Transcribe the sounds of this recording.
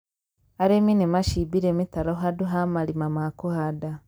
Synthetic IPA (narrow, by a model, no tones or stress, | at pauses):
aɾeminemaʃibiɾemitaɾoɦaduɦamalimamakuhada